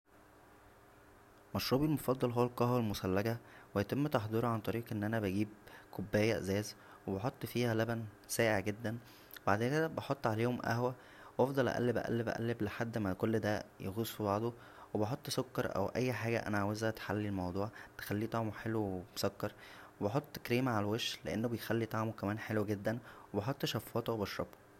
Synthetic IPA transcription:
mɑʃɾuːbilmofɑd̪ˤːɑlɦowːælkɑhwælmosælːæɡæwejæt̪emːt̪ɑħd̪ˤiːɾoʕant̪ˤɑɾiːqʔenːʔænæbæɡiːb̚kʰobːæːjæʔzæːz | webɑħot̪ˤːfiːhælæbæn | sæːʔeʕɡed̪ːæn | webaʕd̪eːnked̪æbɑħot̪ˤːʕaleːhomʔæ̰hwæ | weʔɑfd̪ˤɑlʔæ̰ʔæ̰lːebʔæ̰ʔæ̰lːebʔæ̰ʔæ̰lːebleħad̪ːmækolːd̪æjeɣosˤubɑʕd̪ˤo | webeħot̪ˤːsokːɑɾˤʔæ̰wʔæjːħaːɡæ̰ʔæ̰næʕawezæʔæt̪ħalːilmɑwd̪ˤuːʕt̪e̥xælːiːt̪ˤɑʕmoħelwewemsɑkːɑɾˤwebeħot̪ˤːkɾiːmʕalæweʃleʔenːobejxælːit̪ˤɑʕmokæmæːnħelwɡed̪ːænwebeħot̪ˤːʃɑfːɑːt̪ˤowbɑʃɾɑ̰bo̥

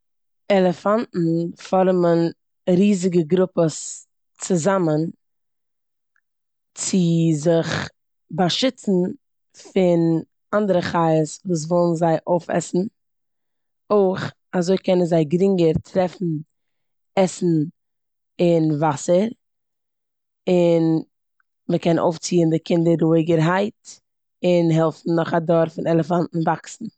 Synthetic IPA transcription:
ɛlˠəfantn̩fɔɾmən | ɾiːzɪɡəɡɾʊpəs | t͡sʊzamən | t͡sɪzɪχ | baʃɪt͡sn̩ | fɪn | andəɾəχaɪəsvuːs̬vɔlˠn̩zaɪʔoʊfɛ̰sn̩ | oɪχ | azoɪkɛnənzaɪɡɾɪŋɡəɾtʰɾɛfn̩ | ɛsn̩ | ɪnvasəɾ | ɪn | məkɛnʔo̰ʊft͡siːəndɪkʰɪndəɾuɪɡəɾɦaɪt | ɪnɦɛlˠfn̩nɔχadɔɾfɪnɛlˠəfantn̩vaksn̩

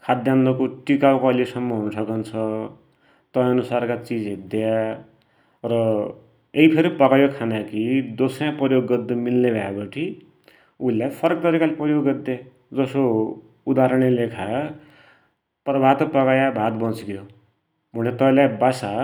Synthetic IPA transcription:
kʰad̪janːʌkoʈikawkoʌlesʌmːʌɦunsʰʌkʌnt͡sʰʌ | t̪ʌ̃ʌnusarkat͡sid͡zɦid̪eja | rʌ | eipʰeɾipʌkajokʰanakid̪osʌjãprʌjoɡːʌd̪ːʌmilnebʱaebʌʈʰi | ulːajpʰʌɾʌk̚t̪ʌɾikalepʌjoɡʌd̪ːa | d͡zʌso | ud̪aɾʌɽ̃elekʰa | prʌbʱat̪pʌkajabʱat̪bʌt͡sɡjo | munet̪ʌlajbasa

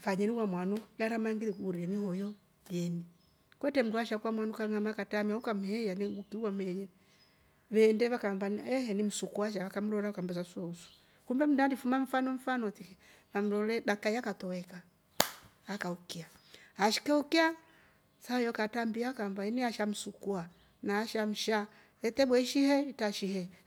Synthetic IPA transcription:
faɲɛniwamwanujaɾamaŋɡiɾikuɾianihɔjɔ | jɛni | kwɛtɛm̩duaʃakwamwanukaŋamakatamiaukam̩hɛjaniɡukiuwamɛɲɛ | ʋɛndɛβakambanɛhɛnim̩sukuaʃ̬aβakam̩lɔɾaukam̩bɛs̬asɔusu̥ | kumbɛm̩dandifumaɱ̩fanɔɱ̩fanɔtiɛ | βam̩lɔlɛɗakaiakatɔwɛkaː | kaukia | aʃi̥kaukia | sajɔkatambiakambaɛnɛaʃam̩sukua | naːʃam̩ʃa | ɛtɛɓwɛʃihɛitaʃihɛ

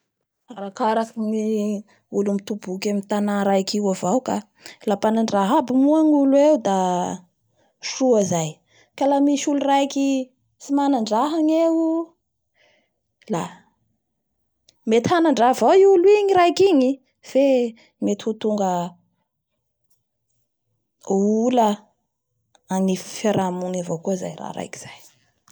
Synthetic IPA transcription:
aɾakaɾakiŋi | ulumit̪ubukʲamint̪anaɾajkiwavawka | lapanaɳɖ͡ʐaɦabimuaŋuluewd̪a | ʂuazaj | kalamiʃulurajki | simanaɳɖ͡ʐaɦaɲeu | la | met̪hanaɳɖ͡ʐavoiulwiɲiɾajkiɲi | fe | met̪hut̪uŋɡə | ulə | anifeɾamunavokuiza̰jra̰ɾa̰jki̥z̥aj

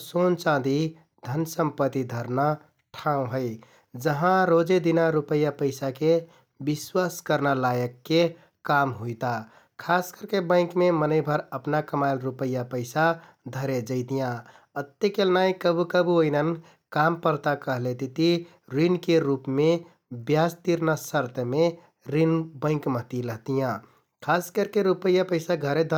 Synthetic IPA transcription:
sont͡ʃãd̪i | d̪ʱənsəmpət̪id̪ʱəɾna | ʈʰãũɦəɪ | d͡ʒəɦãɾod͡ʒed̪inaɾupəjːapəɪsake | biswaskəɾnalajəkːe | kamɦujt̪a | kʰaskəɾkebə̃ɪ̃kmemənəɪbʱəɾəpnakəmajlɾupəjːapəɪsa | d̪ʱəɾed͡ʒəɪt̪ijã | ət̪ːekelnaikəbukəbuoinən | kampəɾt̪akəɦlet̪it̪i | ɾinkeɾupme | bjast̪iɾnasəɾt̪əme | ɾinbə̃ɪ̃kməɦt̪iləɦt̪ijã | kʰaskəɾkeɾupəjːapəɪsaɡʱəɾed̪ʱə

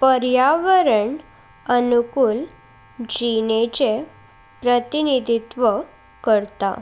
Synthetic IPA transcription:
pəɾjaʋəɾəɳ | ənukuːl | d͡ʑinet͡ɕe | pɾət̪inid̪ʱit̪ʋə | kəɾt̪a̰

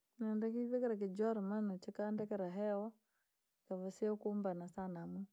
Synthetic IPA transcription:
nandakiβɛkɛɾak̬id͡ʒwaɾumanɔt͡ʃikandɛkɛɾaɦɛwɔ | ikavusiakumbanasanamu

